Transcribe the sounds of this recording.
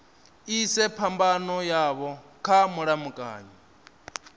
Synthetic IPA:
isɛpʰambanɔjaβɔkʰamuɺamukʼa̰ːɲɔ

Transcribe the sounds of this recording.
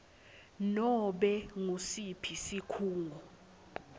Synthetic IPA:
nɔɓɛŋusipʰisikʰuːŋʱɔ

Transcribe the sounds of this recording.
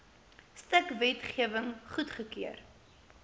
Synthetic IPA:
stəkvɛtχiəvəŋχutχəkiər

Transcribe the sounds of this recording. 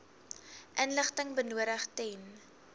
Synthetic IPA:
ʔənləχtəŋbənuəɾəχtɛn

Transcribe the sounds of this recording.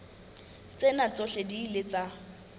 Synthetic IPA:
t͡sʼenat͡sʼoɬediːlet͡sʼa

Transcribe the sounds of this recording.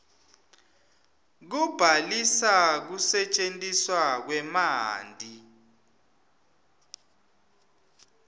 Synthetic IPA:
k̬ub̥ʱalisak̬usɛt͡ʃʼentʼiswak̬wɛmaːndʱi

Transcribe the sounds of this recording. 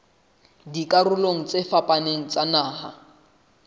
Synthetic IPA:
dikʼaɾʊloŋ̩t͡sefapʼaneŋ̩t͡sʼanaːha̰

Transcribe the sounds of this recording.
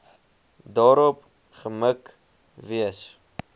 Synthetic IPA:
dɑːɾɔp | χəmək | viəs

